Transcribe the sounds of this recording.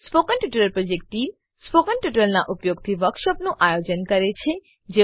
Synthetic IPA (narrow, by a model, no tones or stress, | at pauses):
spokəɳʈuʈələlpɾod͡ʒek̚ʈʈim | spokəɳʈjuʈəlnaʔupjoɡ̚t̪ʰiʋəkʃəpnũʔajod͡ʒənkəɾet͡ʃʰe | d͡ʒe